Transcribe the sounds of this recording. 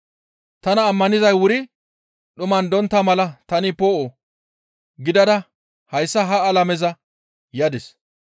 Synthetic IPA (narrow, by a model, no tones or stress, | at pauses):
t̪ɐnɐːmːɐnɪzɐjwʊɾɪ | ɗʊmɐnd̪ɔnt̪ːɐmɐlɐt̪ɐnɪpoːʔo | ɡɪd̪ɐd̪ɐ | hɐjsːɐɦɐːlɐmɛzɐ | jɐd̪ɛs